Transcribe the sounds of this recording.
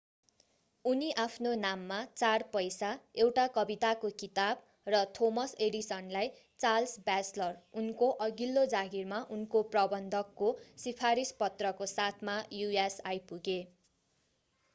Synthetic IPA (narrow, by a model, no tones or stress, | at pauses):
uniʔapʰnonamːat͡sarpʌjsaewʈakʌbit̪akokit̪ab | rʌt̪ʰomʌseɽisʌnlaj | t͡salsbaslʌrunkoʔʌɡilːod͡zaɡirmaʔunkoprʌbʌnd̪ʱʌkːosipʰaɾispʌt̪rʌkosat̪ʰmajuesajpuɡe